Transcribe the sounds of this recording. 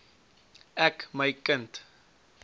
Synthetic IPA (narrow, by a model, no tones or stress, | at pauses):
ɛkməjkənt